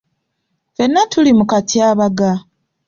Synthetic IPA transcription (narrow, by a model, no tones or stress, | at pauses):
fenːatʰulimukatiaβaɡa